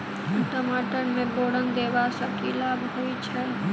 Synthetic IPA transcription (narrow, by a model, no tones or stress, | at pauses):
ʈəmaːʈənmẽboːɽənd̪eːʋasəkilaːbʱɦəit͡ʃʰɛ